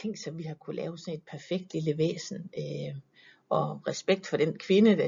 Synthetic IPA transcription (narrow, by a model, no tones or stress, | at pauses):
e̝ŋ̰̥sɒ̽mʋihɑ̈kʰulɛ̰ːʊsɒ̽ne̝d̥̚pʰæɐfeɡ̥̚d̥liləʋḛːsn̩ø | ʔɒ̽ʁɛsb̥eɡ̥̚d̥fɒ̽ɾ̥enkʰʋe̝nəd̥æ